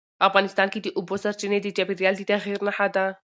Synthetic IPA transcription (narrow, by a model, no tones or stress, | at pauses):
afɣanist̪aːnkid̪iʔubosɐɾt͡ʃined̪id͡ʒabiɾijald̪it̪aɣiːɾnaħad̪a